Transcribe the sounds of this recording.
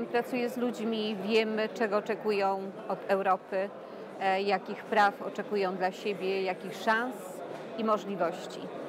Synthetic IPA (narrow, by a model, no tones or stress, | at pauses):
mpɾat̪sujɛzlud͡ʑmʲivʲjɛmt͡ʂɛɡɔːt͡ʂɛkujɔ̃w̃ | ɔd̪ɛwɾɔpɘ | jakʲixpɾafɔt͡ʂɛkujɔ̃w̃d̪laɕebʲjɛjakʲixʂãñs | imɔʐlʲivɔɕt͡ɕḭ